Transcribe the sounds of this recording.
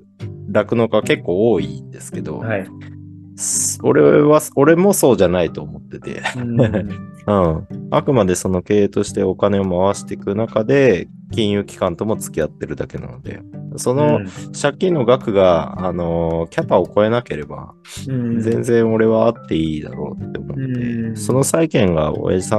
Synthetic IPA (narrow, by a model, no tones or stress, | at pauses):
ɾakɯ̟no̞kake̞kːo̞ːoːind̪e̞sɨ̥ke̞d̪o̞̰ | soɾe̞βaso̞ɾe̞mo̞so̞ːʑanait̪o̞ːmo̞t̪ːe̞t̪e̞̰ | ɯ̟̃a̰kɯ̟mad̪e̞so̞no̞ke̞ːt̪o̞ɕi̥t̪e̞o̞kane̞o̞maβaɕi̥t̪e̞kɯ̟nakad̪e̞ | kʲĩɰ̃jɯ̟ːkʲi̥kãnt̪o̞mo̞t͡sɨ̥kʲiat̪ːe̞ɾɯ̟d̪ake̞na̰no̞d̪e̞̰so̞no̞ɕakʲːĩnːo̞ɡakɯ̟ɡaːno̞kʲapao̞ko̞e̞nake̞ɾe̞ba̰ | zẽ̞nzẽ̞ɰ̃o̞ɾe̞βaːt̪ːe̞iːd̪a̰ɾo̞̰ːt̪ːeomot̪ːd̪e̞̰so̞no̞saikẽ̞ŋɡa̰o̰ja̰ʑisã